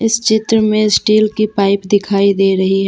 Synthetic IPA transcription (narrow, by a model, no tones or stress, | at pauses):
ɪst͡ʃɪt̪ɾəmẽsʈiːlkipaːɪpd̪ɪkʰaːid̪eːɾɐɦiɦɛ